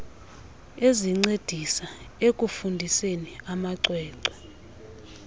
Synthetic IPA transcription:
eziŋ͡ǀed̥ʱisaekʼufundʱiseniamaǀwɛːǀɔ̥

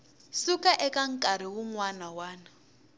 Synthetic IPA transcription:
sukaʔɛkaŋ̩kʼaɾ̤iwuŋwanawaːna

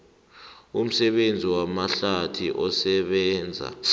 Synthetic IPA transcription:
um̩sɛɓend͡zʱiwamaɬatʰiʔɔsɛɓɛːnd͡zʱa̰

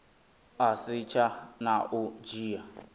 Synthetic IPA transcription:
asit͡ʃʰanaʔud͡ʒiːa

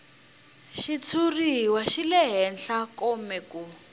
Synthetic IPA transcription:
ʃit͡sʰuriwaʃilɛɦɛnɬakɔmɛku

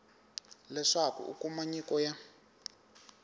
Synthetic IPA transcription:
lɛʂakṵṵkumaɲikɔja

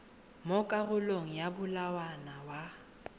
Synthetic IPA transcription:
mokʼaɣʊloŋ̩jabʊlawanawa

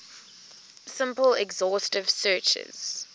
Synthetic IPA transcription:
sɪ̃mpəlɛɡzɔˑstɪv̥sɜːˑt͡ʃɪ̰z̥

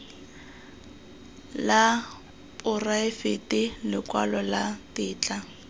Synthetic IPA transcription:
la | pʼʊraɪfɪtɪlɪkwa̰lɔlatɪːt͡ɬʼa

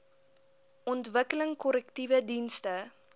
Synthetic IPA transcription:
ʔɔntvəkələŋkɔləktivədinstə

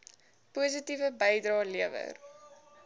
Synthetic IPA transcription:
puəs̬itivəbɛjdrɑːliəvə̰r

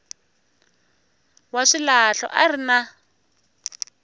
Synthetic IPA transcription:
waʂilaɬɔ̰ʔarina

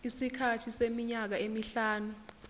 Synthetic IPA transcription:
isikʰatʰisemiɲak̬aemiɬaːnu

